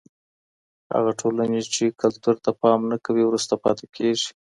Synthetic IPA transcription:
ha̰ɣaʈʰolanet͡ʃekalt̪uɾt̪apɑmnakawiwɾust̪apɑ̰t̪ekʰeʐi̥

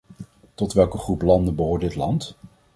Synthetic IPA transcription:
tɔtʋɛlˠkəχruplɑndəbəɦoːɹdɪtlɑnt

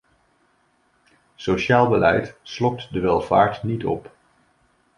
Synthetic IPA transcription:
soʃaːlˠbəlɛjtslɔk̚tdəʋɛlˠva̰ːɹtnitɔ̰p

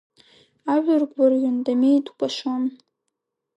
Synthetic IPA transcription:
aʒᶣʊrɡʷarjʊndamejtkʷʰʼaʃon

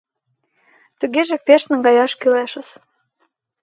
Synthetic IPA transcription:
t̪uɣeʒĕpeʃnə̆ŋɡɑjɑʃkileʃə̆s

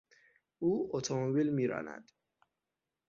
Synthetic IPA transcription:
uːot̪ʰomobilmiːɾɒ̰ːnæ̰d̪̥

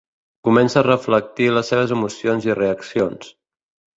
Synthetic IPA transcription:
kumɛnsəːrəflək̚t̪iləsːeβ̞əzəmusionzireəksions

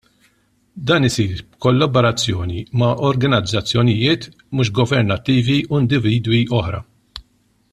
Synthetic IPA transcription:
d̪ɐːnɪsiːɾbkɔlːɐbɔɾɐt͡sːjɔːnimɐʔɔɾɡɐnɐd͡zːɐt͡sːjɔnɪjɪːt̪ | muːʃ̬ɡɔvɛɾnɐt̪ːiːviuɪnd̪ɪviːd̪wiʔɔħɾɐ̰

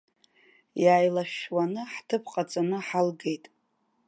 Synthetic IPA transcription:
jaːjlaʃwanɨħtʰɨpʰqʼat͡sʼanɨħalɡe̞jtʼ

